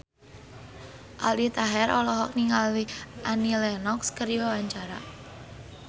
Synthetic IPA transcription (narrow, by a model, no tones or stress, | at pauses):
ʔalit̪aɦɛɾɔlɔɦɔk̚niŋaliʔanilɛnɔkskərjɔwaɲt͡ʃaɾa̰